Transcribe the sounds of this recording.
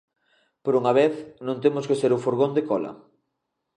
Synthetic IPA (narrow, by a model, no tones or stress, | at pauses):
poɾuŋɐβeθnõnt̪̬emʊskeseɾufoɾɣond̪ekɔlɐ̰